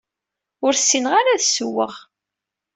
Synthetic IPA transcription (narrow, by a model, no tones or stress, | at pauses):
ʊɾsːinəʁaɾaðsəwːəʁ